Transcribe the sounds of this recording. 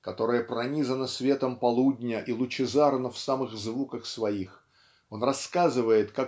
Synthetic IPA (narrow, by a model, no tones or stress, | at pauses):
kɐt̪o̞ɾɨjəpɾɐnʲizənəsvʲe̞t̪əmpɐlˠudʲnʲəʔilˠʊt͡ɕɪzaɾənəfsamɨɣzvukəxsvɐix | o̞nrɐskazɨvəjɪt̪ka